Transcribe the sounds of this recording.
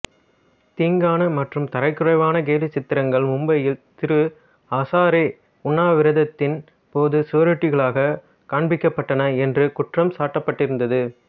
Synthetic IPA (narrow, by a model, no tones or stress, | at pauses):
t̪iːŋɡaːnɐmɐʈrɯmt̪ɐɾɐɪkːɯrɐɪʋaːnɐɡeːlɪt͡ʃːɪt̪ːɪɾɐŋɡɐɭmʊmbɐjɪlt̪ɪɾɯ | aːsaːɾe | ʊnːaːʋɪɾɐðɐt̪ːɪn | poːðɯsʊʋɐɾɯʈːɪɣɐɭaːɣɐ | kaːɳbɪkːɐpːɐʈːɐnɐɛndrɯkʊʈrɐmsaːʈːɐpːɐʈːɪɾɯnd̪ɐðɯ